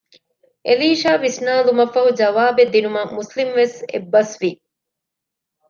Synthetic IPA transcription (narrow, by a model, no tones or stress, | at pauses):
ʔeliːʃaːʋisnaːlumɐfɐɦud͡ʒɐʋaːbed̪ːinumɐmuslimʋesḛbːɐsʋi